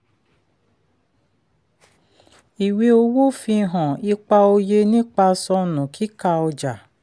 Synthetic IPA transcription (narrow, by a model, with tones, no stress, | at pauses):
i˨we˧˦o˦wo˦fi˧˦ɦɔ̃˨i˦k͡pa˧o˧je˧nĩ˦k͡pa˧sɔ˧nʊ̃˨kʰi˦ka˧ɔ˧d͡ʒa˨